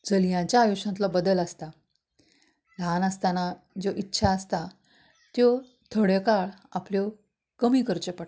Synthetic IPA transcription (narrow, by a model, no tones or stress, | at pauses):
d͡zəljãɲt͡ɕjaːjuɕãnt̪lɔbəd̪ələst̪a | lanəst̪ana | d͡zoʔitːɕʰaːst̪a | t̪jo | t̪ʰoɽekaɭapljɔ | kəmiːkəɾt͡ɕepəɽ